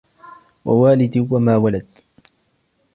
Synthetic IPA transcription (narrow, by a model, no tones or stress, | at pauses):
wa̰waːlɪd̪wamaːwalad̪